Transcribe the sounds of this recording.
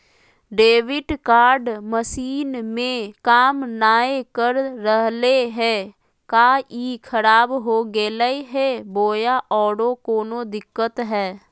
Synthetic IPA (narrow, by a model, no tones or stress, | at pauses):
ɖeːʋɪʈkaːɾɖməsiːnmẽkaːmnaːekəɾɾəɦleɦɛː | kaːiːkʰəɾaːbɦoɡeːləeɦɛːboːjaʔɔːɽokoːnod̪ɪkːət̪ɦɛː